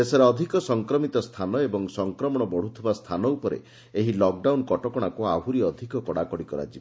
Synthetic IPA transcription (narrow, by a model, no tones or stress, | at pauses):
esaɾeɔd̪ʱikɔsɔŋkɾɔmit̪ɔst̪ʰanɔebɔŋsɔŋkɾɔmɔɽ̃ɔbɔɽ̤ut̪ʰibast̪ʰanɔupɔɾḛ | eɦilɔk̚ɖawnkɔʈɔkɔɽ̃akuabʱuɾiɔd̪ʱikɔkɔɽakɔɽikɔɾa̰d͡ʒi